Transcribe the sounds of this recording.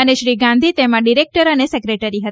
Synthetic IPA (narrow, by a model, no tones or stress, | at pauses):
əneʃɾiɡãnd̪ʱit̪emãɖiɾek̚ʈəɾənesekɾeʈəɾiɦət̪